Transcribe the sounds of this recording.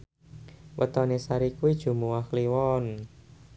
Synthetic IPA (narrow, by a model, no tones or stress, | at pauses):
wʔə̰t̪ɔnesaɾikuid̥ʒ̥ṳmuwakliwɔn